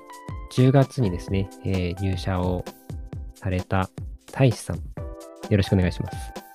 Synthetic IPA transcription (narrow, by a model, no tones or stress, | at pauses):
d͡ʑɨːɡat͡sɨɲ̟id̪e̞sɨne̞eːɾʲɨːɕao̞ | saɾe̞t̪at̪ʰaiɕi̥sã̰ŋjoɾoɕi̥kɯo̞neaiɕimasɨ̥